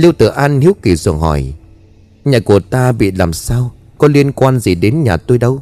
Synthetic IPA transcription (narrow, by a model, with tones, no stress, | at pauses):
li˧əwt̪ɨ̰˧˩əʔaː˧nhi˨˦wki˧˩zɨ˨˩ŋhɔ˧˩j | ɲaː˨˩ku˧˩ət̪aː˧ɓḭ˧˨laː˨˩msaː˧w | kɔ˨˦li˧ənkwaː˧nzi˨˩ɗe˨˦nɲaː˨˩t̪o˧jɗə˧w